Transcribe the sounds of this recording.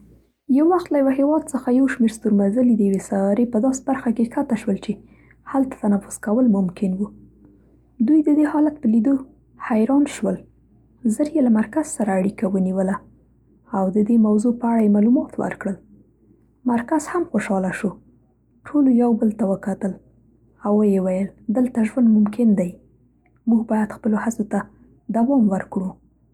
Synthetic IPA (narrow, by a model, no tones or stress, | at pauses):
jawːaxt̪lajawaɦewɑd̪səxajawʃmeɾst̪uɾmazəlid̪əjawesajɾepəd̪ɑse̥baɾxakexat̪aʃwəlt͡ʃe | halt̪ḁt̪anafʊz̥kawəlmʊmkɪnwu | d̪ujd̪əd̪ehɑlat̪̚pəlid̪o | hajɾɑnʃwəl | zəɾjelamaɾkaz̥saɾaːɽikawəniwəlaː | wd̪əd̪emawzopəaɽajemalumɑt̪wə̰ɾkɽəl | maɾkaz̥hamxoʃɑlaʃo | ʈʰolojawbəlt̪awəkat̪əl | awəjewajəld̪əlt̪aʒwand̪mʊmkɪnd̪aj | muɡbɑjad̪xpəlohat͡sot̪a | d̪awɑmwəɾkɽu